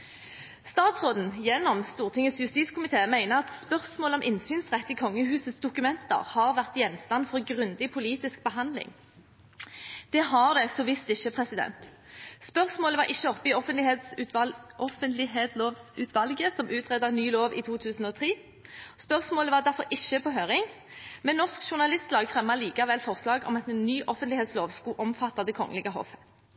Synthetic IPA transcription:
st̪ɑːt̪sʁoːd̪n̩jɛnːɔmst̪uːʁt̪ʰɪŋəsjʉst̪iːskʰʊmɪt̪ʰeːmæɪnəʁɑt̪spœʁsmoːləɔmʔɪnsyːnsʁɛt̪ːɪːkʰɔŋːəhʉːsəsd̪ʊkʉmɛnt̪ə̰ʁhɑʁʋæʁt̪jɛnst̪ɑnfɔʁɡʁʉnd̪ɪpʰʊliːt̪ɪsk̚bəɦɑnd̪lɪ̰ŋ | d̪̥ɛːɦɑʁd̪ɛsoːʋɪst̪ɪçːəpʰʁɛsɪd̪ɛ̰nt̪ | spœʁsmoːləʋɑʁʔɪçːəɔpːəɪɔfənt̪lɪhet̪sʉʔɔfənt̪lɪɦet̪oːʋsʉːt̪ʰʋɑlɡəsɔmʔʉːt̪ʰʁɛd̪ɑnyːloːʋḭːt̪ʰuːt̪ʰʉːsn̩oːt̪ʰʁiː | spœʁsmoːləʋɑʁd̪æʁfɔʁɪçːəpʰɔɦøːʁɪŋ | mɛnnːɔskʃʊʁnɑlɪst̪lɑːɡfʁɛmːɑliːkɑʋɛlfɔʁslɑːɡɔ̰mɑt̪ɛnːyːʔɔfənt̪lɪheːt̪sloːʋskuːʔɔmfɑt̪ːɑd̪əkʰɔŋːə̰lɪɡəɦɔ̰fə

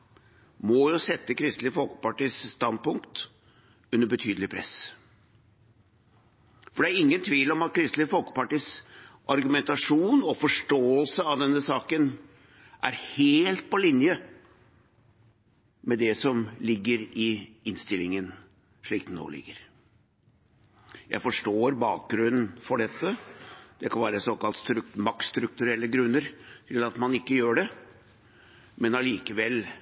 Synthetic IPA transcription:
mɔjʊsɛt̪ːəkʰɾɪst̪lɪfɔlkə̥pɑʈiːsːt̪ɑnd̪̚pʊŋkt̪ | ʉnːəbət̪ʰyːd̪l̩ɪpʰɾɛ̰s | fɔɖ̪ɛæɾɪŋːənt̪ʰʋiːlɔmɑt̪̚kʰɾɪst̪lɪfɔlkə̥pɑʈiːsʔɑɾɡʉmɛnt̪ɑʂuːnɔfɔʂʈoːəlsəɑd̪ɛnːəsɑːkən | ʔæɾheːlt̪̚pɔlɪnjə | mɛd̪ɛsɔmlɪɡːəɾɪɪnst̪ɪlːɪŋən | ʂɭiːkt̪nɔ̰ːɭɪ̰ɡːəɾ | jæ̰ɪfɔʂʈoːɾbɑːk̚ɡɾʉnn̩fɔɖɛt̪ːəd̪̥ɛkʰɑnʋæːɾəsoːkɑlt̪st̪ɾmɑkst̪ɾʉk̚t̪ʉɾɛlːəɡɾʉnːəɾt̪ʰɪlɑt̪mɑnɪkːəjøːɖɛ | mɛnɑliːkəʋɛl

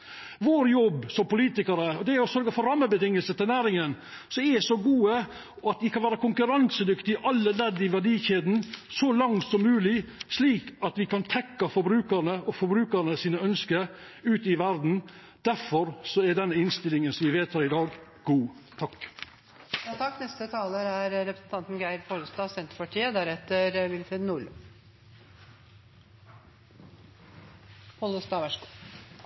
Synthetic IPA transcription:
ʋoːɾjɔbsɔmpʊliːt̪ɪkəɾəɔd̪ɛɔsœɾɡəfɔɾɑmːəbət̪ɪŋːəlsət̪ɪlnæːɾɪŋən | sɔɛsɔɡuːə | ɔɑt̪ʋɪkʰɑnʋæːɾəkʊŋkʉɾɑnsəd̪ʏkt̪ɪʔɑlːəlɛd̪ːɪʋæɖiːçeːd̪n̩sɔlɑŋt̪sɔmːʉːlɪsliːkɑt̪ʋɪkʰɑnt̪ʰɛkːɑfɔɾbɾʉːkəɾnəɔfɔɾbɾʉːkəɾɳəsiːnəœnskə | ʉːt̪ɪʋæɾd̪n̩ | d̪̥æɾfɔɾsɔɛɖɛnːəɪnst̪ɪlɪŋənsɔmʋɪʋeːt̪ʰɑːɾɪd̪ɑːɡ | ɡ̥uː | t̪ʰɑk | jɑːt̪ʰɑkːnɛst̪ət̪ʰɑːləɾæɾɾɛpɾəsn̩t̪ʰɑnt̪nɡæɪɾfoːɾəst̪ɑːsɛnt̪ɾpɑʈʰiːəd̪æɾɛt̪əɾʋɪlfɾɪːd̪nul | hɔləst̪ɑːʋæʂ

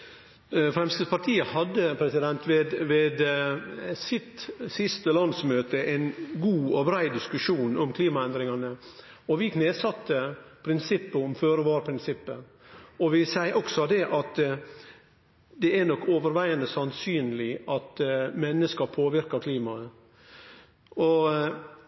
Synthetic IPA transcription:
fɾɛmst̪əpʰɑɾʈ̪ʰiːəhɑd̪ːəpʰɾɛsɪd̪ɛnt̪ʋeːd̪ʋeːd̪ | sɪt̪sɪst̪əlɑnd̪smøːt̪əʔɛɪnɡuːɔbɾæɪd̪ɪskʉʂuːnɔmkʰliːmɑɛnd̪ɾɪŋɑnə | ɔʋɪkʰneːsɑt̪ːəpʰɾɪnsɪpːəɔmføːɾəʋɑːɾpʰɾɪnsɪpːə | ɔʋɪsæɪʔɔksɔd̪ɛʔɑt̪ | d̪ɛænɔkːoːʋəɾʋæɪənəsɑnsyːnlɪɑt̪mɛnːəskɑpʰoːʋɪɾkɑkʰliːmɑ | ʔɔ

